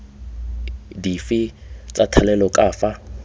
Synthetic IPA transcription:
difit͡sʼatʰalɛlɔkʼaːfa

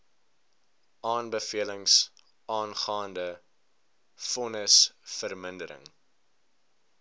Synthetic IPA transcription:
ɑːnbəfiələŋs | ʔɑːnχɑːndə | fɔnəsfərməndəɾə̰ŋ

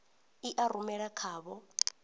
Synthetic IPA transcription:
iʔaɾumɛɺakʰaːβɔ

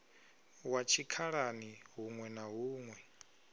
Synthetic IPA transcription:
wat͡ʃʰikʰaɺaniɦuŋwɛnaɦuːŋwɛ

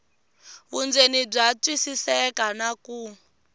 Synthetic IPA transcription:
βund͡zenib͡ʐat͡sʼwisisɛkanaku

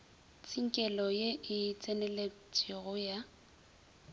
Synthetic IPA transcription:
t͡sʼiŋ̩kʼɛlɔjeʔɪt͡sʼɛnɛlet͡sʼɪɣʊja

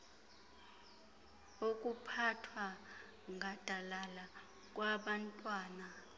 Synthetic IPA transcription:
okʼupʰatʰwa | ŋʱad̥ʱalala | kʼwaɓantʼwaːna

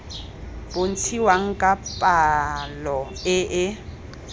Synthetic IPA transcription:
bʊn̩t͡sʰiwaŋ̩kʼapʼalɔɪʔɪ

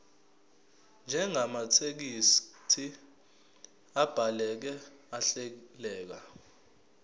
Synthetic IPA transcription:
nd͡ʒʱɛŋamatʰek̬istʰi | ab̥ʱalɛk̬ɛ | aɬelɛːk̬a

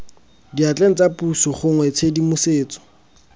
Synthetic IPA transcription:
diat͡ɬʼeŋ̩t͡sapusɔχʊŋwɛt͡sʰedimʊseːt͡sɔ̥

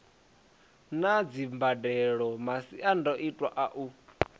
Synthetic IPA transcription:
nad͡zimbadɛɺɔmasiʔandɔʔitʼwa̰ʔaʔu

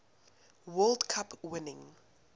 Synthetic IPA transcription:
wɛldkʰapwɪnɪ̃ŋ

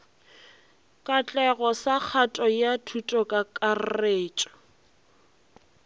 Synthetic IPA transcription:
kʼat͡ɬʼɛɣɔsak͡xʰatʼɔjatʰutʼɔkʼakʼarreːt͡ʃʼɔ̥

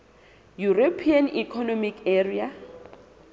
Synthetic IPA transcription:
juropʰianḭkʰɔnɔmikɛria

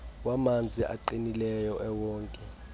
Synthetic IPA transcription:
wamand͡zʱiʔa̰ǃinilɛjɔʔɛwɔːŋkʼɛ

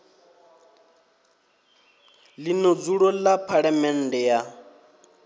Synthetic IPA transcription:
linod͡zuɺɔlapʰaɺamɛn̩dɛja

